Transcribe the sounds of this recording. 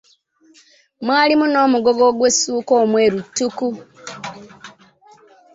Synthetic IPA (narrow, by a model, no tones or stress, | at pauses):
mwaːlimuno̞ːmuɡo̞ɡo̞ɡwesuːko̞ːmwe̞ːɾutːuku